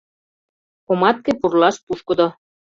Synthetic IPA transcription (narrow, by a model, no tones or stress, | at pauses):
komɑt̪̚kepurlɑʃpuʃkɤ̆d̪o